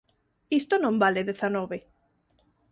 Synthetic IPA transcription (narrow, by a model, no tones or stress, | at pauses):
ist̪onõmbaleðeθanɔβe